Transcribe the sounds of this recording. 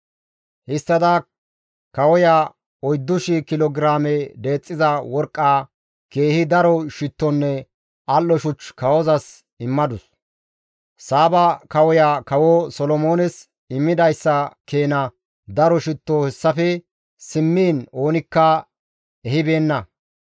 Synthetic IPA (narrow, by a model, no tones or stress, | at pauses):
hɪst̪ːɐd̪ɐ | kɐwɔja | ɔjd̪ːʊʃɪkɪlɔɡɾaːmɛd̪e̞ːt͡sʼːɪzɐwɔɾkʼːaː | ke̞ːhɪd̪ɐɾɔʃɪt̪ːɔnːɛ | ɐlːɔʃʊt͡ʃkɐwɔzɐs | ɪmːɐd̪ʊs | saːbɐkɐwɔjaːkɐwɔsɔlɔmo̞ːnɛs | ɪmːɪd̪ɐjsːɐke̞ːnɐ | d̪ɐɾɔʃɪt̪ːohɛsːɐfɛ | sɪmːiːno̞ːnɪkːɐ | ɛhɪbe̞ːnːɐ